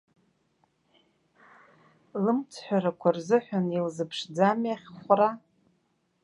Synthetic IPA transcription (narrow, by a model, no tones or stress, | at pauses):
lɨmt͡sʰħʷᶣaɾakʷʰarzɨħʷᶣanilzɨpʰʂd͡zamaχʲχʷra